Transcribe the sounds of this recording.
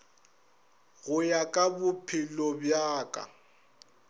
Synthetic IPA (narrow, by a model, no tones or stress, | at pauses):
ɣʊjakʼabʊpʰɪlɔbjaːkʼa̰